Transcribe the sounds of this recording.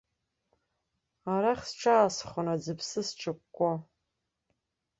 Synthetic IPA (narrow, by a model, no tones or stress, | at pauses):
aɾaχʲsʈ͡ʂʰaːsχʷʊnad͡zɨpʰsɨsʈ͡ʂʰɨkʷʼːa